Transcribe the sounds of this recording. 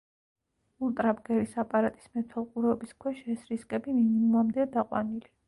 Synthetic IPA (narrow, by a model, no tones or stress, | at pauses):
ulˠt̪ʼɾabɡɛɾisapʼaɾat̪ʼi̥smɛt̪ʰalˠqʼuɾɛɔbiskʰwɛʃɛɛsɾiskʼɛbiminimumamd̪ɛad̪aqʼwa̰nili